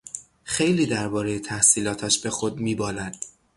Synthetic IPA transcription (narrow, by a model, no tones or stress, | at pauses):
xe̞jliːd̪æɾbɒːɾe̞jet̪ʰæhsiːlɒːt̪ʰæʃbe̞xod̪miːbɒːlæd̪̥